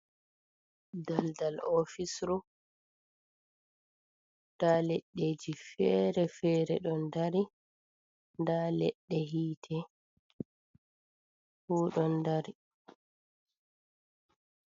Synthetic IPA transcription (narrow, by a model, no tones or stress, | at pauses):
daldalɔfisɾɔ | talɛɗːeːd͡ʒifɛɾɛfɛːɾɛɗɔndaɾi | ndalɛɗːɛhiːtʰɛ | huːɗɔndaɾi